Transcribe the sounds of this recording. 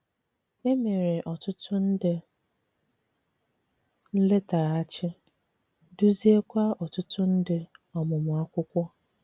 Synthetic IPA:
e˦me˨ɾɪ˨ʔɔ˨tʊ˦tʰʊ˦n̩˦dɪ˨ | n̩˦le˦ta˨a˦t͡ʃɪ˦ | du˦zi˦e˦kʷa˦ɔ˨tʊ˦tʊ˦n̩˦dɪ˨ɔ˨mʊ˨mʊ˨a˦kʷʊ˦kʷɔ˦

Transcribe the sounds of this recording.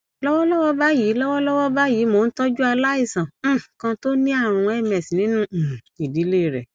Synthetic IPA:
lɔ˦wɔ˦lɔ˦wɔ˦ba˦ji˨˦lɔ˦wɔ˦lɔ˦wɔ˦ba˦jiː˨˦mo˧˨n̩˦tɔ˦d͡ʒu˦a˧la˦i˦˨sã˨˦˨kã˧to˦nĩ˦a˦˨ɾ̃ũ˧ɛ˦˨mɛ˨si˨nĩ˨˦nũ˦˨i˨di˨˦le˦˨ɾɛ̰˨

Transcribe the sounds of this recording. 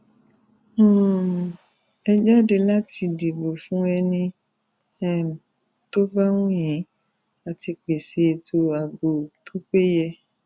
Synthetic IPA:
ɛ˧d͡ʒa˦de˧la˦ti˧di˨bo˨fũ˦ɛ˧nĩ˧ | ɛ˦˨m̩˨ | to˦ba˦w̃ũ˦j̃ĩ˨˦ | a˨ti˧k͡pe˨se˧˨˧tʰo˧a˨bo˨tʰo˦k͡pe˦jɛ˧

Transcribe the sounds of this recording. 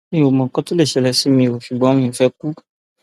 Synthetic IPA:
mĩ˧˦o˨mã˨kɔ˦to˦le˦˨ʃɛ˨˧lɛ˧si˦mĩ˧˨o˨ʃu˨ɡ͡bɔ̃˨˦mĩ˧˨fɛ˦ku˦

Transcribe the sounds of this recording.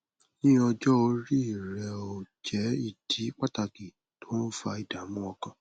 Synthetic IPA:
nĩ˦ɔ˧d͡ʒɔ˦o˧ɾi˦i˦˨ɾɛ˨o˨d͡ʒɛ˨˦i˦˨d̥i˨˦k͡pa˦ta˧ki˨ | to˨˦n̩˦fa˧i˨da˨˦mũ˦ɔ˧kã˧

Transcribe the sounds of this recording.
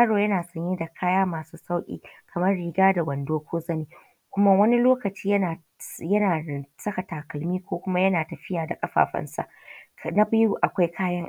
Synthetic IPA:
aː˦ɽoː˨jɐ˦naː˨sɐ˦ɲje˦da˨kʰaː˦jaː˦maː˨suː˦sa˦wkʲʼḭː˦kʰɐ˨mɐ˦rɽiː˨ɡaː˦da˨wɐ˨ndoː˦kʷʰoː˦zɐ˦neː˨ | kʷʊ˦ma˦wɐ˦ni˦loː˦kɐ˨t͡ʃiː˦jɐ˦naː˨ | jɐ˦naː˨sɐ˦kɐ˨taː˨kɐ˨lmiː˦kʷoː˦kʷʊ˦ma˦jɐ˦naː˨tɐ˨ɸɪ˦jaː˨da˨kʼɐ˦ɸa̰ː˨ɸɐ̰˦nsa̰˦ʔna˦bɐ˦ju˦ʔa˨kʷa˦jkʰaː˦jɐ˦ŋʔ

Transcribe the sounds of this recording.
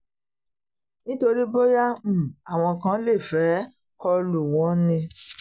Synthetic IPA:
nĩ˦to˧ɾi˦bo˦ja˦m̩˨a˨w̃ɔ̃˧kã˦le˦˨fɛ˨˦ | kɔ˧lu˨w̃ɔ̃˨˦nĩ˧

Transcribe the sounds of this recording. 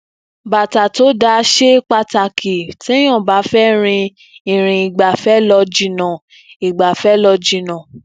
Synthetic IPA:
ba˨ta˨to˨˦da˧˦ʃe˦k͡pa˧ta˨kʰi˨ti˨˦j̃ã˦˨ba˨˦fɛ˦ɾ̃ĩ˧ | ĩ˨ɾ̃ĩ˨i˨ɡ͡ba˨fɛ˦lɔ˧d͡ʒi˧˦nã˨ | i˨ɡ͡ba˨fɛ˦lɔ˧d͡ʒi˧nã˨

